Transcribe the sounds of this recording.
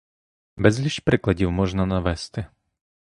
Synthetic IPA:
bɛzlʲiʃʲpɾɪklad͡ʑiwmɔʒnanavɛst̪ɪ

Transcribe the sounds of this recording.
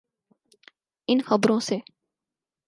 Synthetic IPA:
ɪnxəbɾõːseː

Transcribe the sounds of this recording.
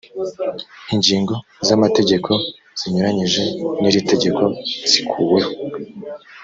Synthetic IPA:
iɲɟiːŋɡo̞zamate̞ɟe̞kʰo̞ | z̥iɲuɾaɲiʒe̞niɾite̞ɟe̞kʰo̞z̥ikʰuːwe̞ho

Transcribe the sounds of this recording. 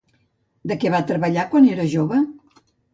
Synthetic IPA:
d̪əkɛβat̪ɾəβəʎakwaneɾəʒoβə

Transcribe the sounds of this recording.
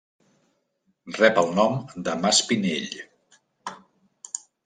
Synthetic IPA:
rɛpəlˠnɔmd̪əmaspineʎ

